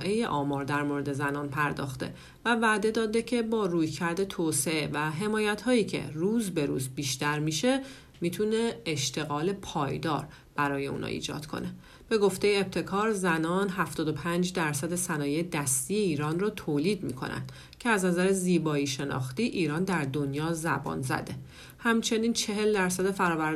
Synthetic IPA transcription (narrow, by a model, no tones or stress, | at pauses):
ʔe̞jeʔɒːmɒːɾd̪æɾmo̞ɾe̞d̪e̞zænɒːnpʰæɾd̪ɒ̰ːxt̪e̞̰ | vævæːd̪e̞d̪ɒːd̪e̞cʰe̞bɒːɾuːjcʰæɾd̪e̞t̪ʰoːse̞evæɦe̞mɒːjæt̪hɒːiːcʰe̞̰ruːzbe̞ɾuːzbiːʃt̪æɾmiʃe̞ | mit̪ʰune̞ːʃt̪e̞ɣɒːle̞pʰɒːjd̪ɒ̰ːɾ | b̥æɾɒːje̞ṵnhɒ̰ḭːd͡ʒɒ̰ːd̪̥kʰo̞̰ne̞ | b̥e̞ɡo̞ft̪e̞jeːb̚t̪ʰe̞kʰɒːɾzænɒːnɦæft̪ɒːd̪opʰænd͡ʒd̪æɾsæd̪e̞sænɒːjejed̪æst̪iːje̞iːɾɒːnrɒːt̪ʰoːliːd̪mḭkʰo̞̰nʔæ̰nd̪̥ | cʰeæznæzæɾeziːbɒːiːʃe̞nɒ̰ːxt̪iːʔiːɾɒːnd̪æɾd̪o̞njɒːzæ̰bɒ̰ːnzæ̰d̪e̞ | hæmt͡ʃʰe̞niːnt͡ʃʰe̞ɦe̞ld̪æɾsæd̪e̞fæɾɒːvæɾ